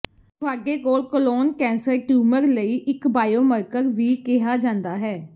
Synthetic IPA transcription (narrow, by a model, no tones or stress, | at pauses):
kʰʊaːɡeːkoːlkəloːnkɛ̃ːnsəɾʈjuːməɾləiːʔɪkbaːjoːməɾkəɾʋiːkɪɦaːd͡ʒãːnd̪aːɦɛː